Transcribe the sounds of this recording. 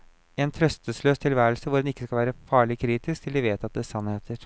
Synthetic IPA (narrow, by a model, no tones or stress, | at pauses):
ɛːnt̪ʰɾœst̪əsløːst̪ʰɪlʋæːɾəlsəʋʊɾɛnɪkːəskɑlʋæːɾəfɑːɭɪkʰɾiːt̪ɪskt̪ʰɪld̪ɪʋeːt̪ɑt̪̚d̪ɛsɑnheːt̪ʰəɾ